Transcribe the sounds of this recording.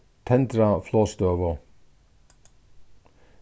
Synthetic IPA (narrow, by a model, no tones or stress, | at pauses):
t̪ʰɛnd̪ɾɑfloːst̪øːʋə